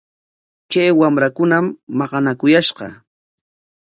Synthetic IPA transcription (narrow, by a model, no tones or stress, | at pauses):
t͡ʃajwamɾakʊnamːɑɢɑnakʊjaʃɢɑ̰